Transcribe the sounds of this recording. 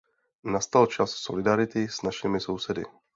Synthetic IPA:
nast̪alt͡ʃasːo̞̰lɪdaɾɪt̪ɪsnaʃɪmɪso̞wsɛdɪ̰

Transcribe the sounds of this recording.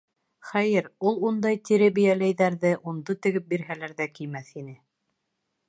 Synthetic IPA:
χæjɘɾulˠund̪ɑjt̪iɾɘbijælæjðæɾðɘʔund̪ot̪ɘ̆ɡɘp̚biɾɦælæɾðækijmæθinɘ

